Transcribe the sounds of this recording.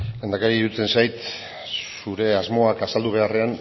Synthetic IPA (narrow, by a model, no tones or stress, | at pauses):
llend̪akaɾiiɾut͡se̞nsajt̪ | suɾe̞azmo̞akasald̪uβ̞e̞are̞an